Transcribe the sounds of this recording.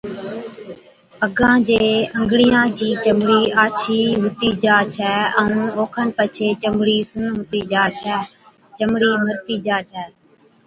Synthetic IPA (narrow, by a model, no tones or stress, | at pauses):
əɡãːd͡ʒeːəŋɡɽɪjãːd͡ʒiːt͡ʃəmɽiːaːt͡ʃʰiːɦʊt̪iːd͡ʒaːt͡ʃʰɛːə̃ũːoːkʰəɳpət͡ʃʰeːt͡ʃəmɽiːsũːɦʊt̪iːd͡ʒaːt͡ʃʰɛː | t͡ʃəmɽiːməɾt̪iːd͡ʒaːt͡ʃʰɛː